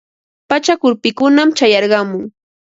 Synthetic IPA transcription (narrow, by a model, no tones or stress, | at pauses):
pat͡ʃakʊɾpɪkʊnamt͡ʃajɑɾɢɑmʊŋ